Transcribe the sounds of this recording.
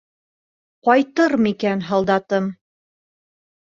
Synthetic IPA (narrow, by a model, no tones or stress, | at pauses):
qɒjt̪ɤɾmikænɦɑlˠd̪ɑt̪ɤm